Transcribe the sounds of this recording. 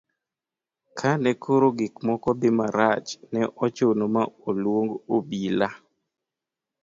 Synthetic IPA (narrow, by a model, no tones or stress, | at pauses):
kʰanɛkʰoɾoɡɪkmɔkɔbɪmaɾat͡ʃnɛʔɔt͡ʃonomaolwoŋɡobila